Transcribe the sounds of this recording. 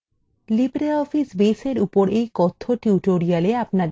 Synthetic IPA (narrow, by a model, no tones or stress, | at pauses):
libɾeɔfisbeseɾupoɾejkɔt̪ʰːoʈuʈoɾialeapna